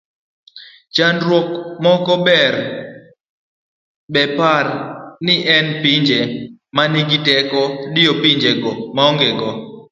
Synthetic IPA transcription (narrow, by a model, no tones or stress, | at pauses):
t͡ʃanɾwokmɔkɔbɛr | bɛparnɪʔɛnpiɲd͡ʒemanɪɡɪtɛkɔdɪjopiɲd͡ʒeɡɔmaɔŋɡeɡɔ